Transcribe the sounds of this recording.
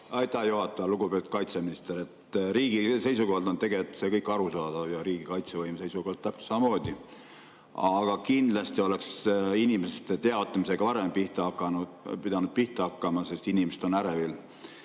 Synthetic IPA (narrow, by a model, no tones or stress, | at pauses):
ɑjt̪ːæhjuɦɑt̪ːˑɑɑluɡ̥upet̪u̥t̪̚kɑjt̪seminist̪eɾe̞t̪ɾiːɡ̥ise̞jsuko̞hɑld̪o̞nt̪e̞ɡet̪ːse̞kɤjkːˑɑɾusɑːd̪̥ɑvjɑɾiːɡ̥ikɑjt̪sevɤjmse̞jsukohldt̪t̪ːæpsɑmɑmo̞ːd̪̥i | ɑɡ̥ɑkind̪̥lɑst̪io̞leksinimeset̪ːet̪e̞ɑot̪ːˑɑmise̞ɡ̥ɑvɑɾempiht̪ɑkːɑnupid̪ɑnud̪̥̚piht̪ɑɑkːɑmɑse̞st̪inimesed̪̥o̞næɾevil